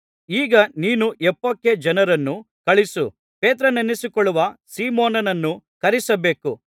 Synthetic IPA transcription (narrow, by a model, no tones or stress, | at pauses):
iːɡɐniːnuʔɛpːokːed͡ʒɐnɐɾɐnːu | kɐɭisu | peːt̪ɾɐnenisikɔɭːuʋɐsiːmoːnɐnɐnːukɐɾisɐbe̞ːku